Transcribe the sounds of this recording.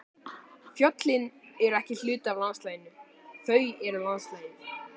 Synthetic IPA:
fjɔt̪lɪnɛɾɛhcɪl̥ʏːt̪avlanst̪laːjnʏ | θœɥɛɾalanslaːjnʏ

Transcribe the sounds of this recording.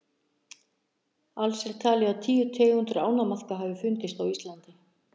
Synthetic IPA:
alsɛɾ̥t̪ʰaːlɪaðt̪ʰiːjʏt̪ʰɪːjhʏnt̪ɾɪaːwnamaθkaɦaːvɪfʏnt̪ɪst̪awist̪lant̪ɪ

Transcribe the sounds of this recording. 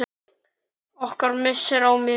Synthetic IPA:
ɔhkaɾmɪsːɪɾawmɪ

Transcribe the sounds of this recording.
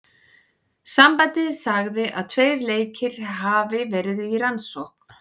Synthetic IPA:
sampajt̪ɪðsaɣðɪʔa̰ðt̪ʰveːjɾleːjcɪɾ̥ɦaːvɪvɛːɾɪðɪiransohk̚n̥

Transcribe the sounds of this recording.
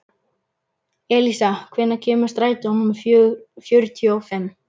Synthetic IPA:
ɛlisakʰvɛːnːacʰɛːmʏ̥st̪ɾaːjt̪ɪanʏmffjœɾt̪ʰiɔfɛm

